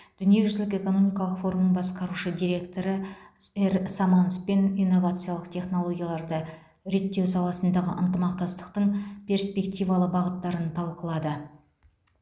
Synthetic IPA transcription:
d̪̥ʏnije̞ʒʏzlɪke̞ko̞no̞mijkɑlˠəqfo̞ɾumbɑsqɑɾuʃəd̪ijɾʲe̞kt̪o̞ɾəeɾsamanspe̞nijnːo̞vat̪sɨjalˠəqt̪ʰe̞χno̞lˠo̞ɡʲijalˠɑɾd̪ə | ɾe̞t̪ːe̞wsɑlˠɑsənd̪ɑʁə̰ʔənt̪əmɑqt̪ɑst̪ə̥q̚t̪əɴpʲʰe̞ɾspʲe̞kt̪ʲijvɑlˠəbɑʁət̪ːɑɾənt̪ʰɑlˠqəlˠɑd̪ə

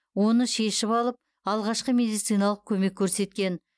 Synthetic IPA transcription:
wo̞nəʃe̞ʃɪpɑlˠəp̚ | ɑlˠʁɑʃqəme̞d̪ijt̪sɨjnɑlˠəq̚kʲʰɵme̞kʲʰːɵɾse̞t̪kʲe̞n

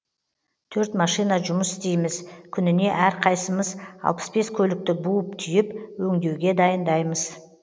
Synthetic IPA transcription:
t̪ʰɵɾt̪mɑʃijnɑʒʊməsɪ̥st̪e̞jmɪzkʲʰʏnɪne̞ʔæɾqʰɑjsəməzɑ̰lˠpə̥sbe̞skʲʰɵlɪk̚t̪ɪbuəp̚t̪ʰʏjɪpwɵŋd̪e̞wɡʲe̞d̪ɑjənd̪ɑjməz̥

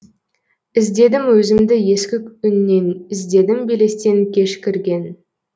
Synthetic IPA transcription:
ɪzd̪e̞d̪ɪmwɵzɪmd̪ɪje̞skʲɪkʏnːe̞nɪzd̪e̞d̪ɪmbele̞st̪e̞ŋkʲʰe̞ʃkʲɪɾɡʲe̞n

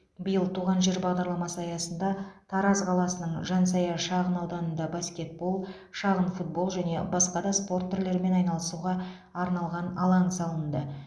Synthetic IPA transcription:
bəjəlˠt̪ʰuʁɑnʒe̞ɾbɑʁd̪ɑɾlˠɑmɑsəɑjɑsənd̪ɑt̪ʰɑɾɑzqʰɑlˠɑsənəɴʒɑns̬ɑjɑʃɑʁənɑwˠd̪ɑnənd̪ɑbaskʲe̞t̪̚bo̞lˠ | ʃɑʁənfut̪̚bo̞lˠʒæne̞̰bɑsqɑd̪ɑspo̞rt̪ʰːʏɾle̞ɾme̞nɑjnɑlˠəsuʁɑ | ɑɾnɑlˠʁɑnɑlˠɑɴsɑlˠənd̪ə

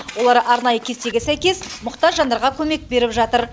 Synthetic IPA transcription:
wo̞lˠɑɾʔɑɾnɑjəkʲʰe̞st̪e̞ɡʲesæjkʲe̞smʊqt̪ɑʒːɑnd̪ɑɾʁɑkʲʰɵme̞k̚be̞ɾɪpʒɑt̪əɾ

